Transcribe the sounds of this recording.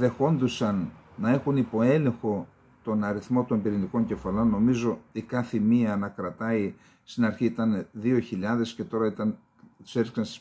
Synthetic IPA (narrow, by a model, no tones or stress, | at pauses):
ðe̞xo̞nd̪usɐnːɐe̞xunipo̞e̞le̞ŋxo̞ | t̪o̞nɐɾiθmo̞t̪o̞mbiɾiniko̞ɲɟe̞fɐlo̞nːo̞mizo̞ikɐθimiɐnɐkɾɐt̪ɐi | st̪inɐɾçiit̪ɐnðio̞çiʎɐðe̞sce̞t̪o̞ɾɐit̪ɐn | seɾksɐnst̪i̥s